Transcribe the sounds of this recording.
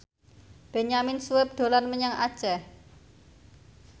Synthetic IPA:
b̥e̤ɲamɪnsuɪp̚d̪̥o̤lanməɲaŋad̥ʒ̥ɛ

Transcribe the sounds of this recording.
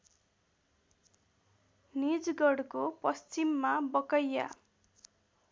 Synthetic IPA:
nid͡zɡʌɽkopʌst͡simːabʌkʌjːa̰

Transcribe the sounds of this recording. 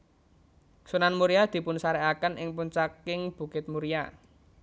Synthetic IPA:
sunanmuɾijad̪̥i̤pʊnsaɾɛakənʔɪŋpuɲt͡ʃakɪŋb̥ṳkɪt̪̚muɾija

